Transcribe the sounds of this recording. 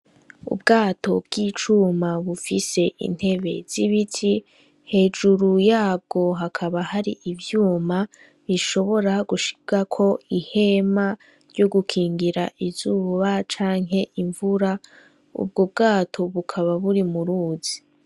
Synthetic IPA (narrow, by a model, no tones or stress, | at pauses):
ṵbɡaːto̞bɡ̥iːt͡ʃumaβufise̞ʔḭn̥he̞βe̞̰z̥iβitʰi | he̞ːd͡ʒuɾujaːb̚ɡo̞ɦakʰaβahaɾḭʔivjuːma | βiʃo̞βo̞ɾaɡuʃi̥ɡ̥akʰo̞ihe̞ma | ɾɟo̞ɡukʰiːŋɡiɾa̰ʔizuβat͡ʃaːŋɦe̞ʔiɱvuɾa | ṵb̚ɡob̚ɡaːtʰo̞βukʰaβaβuɾimuɾuːzi̥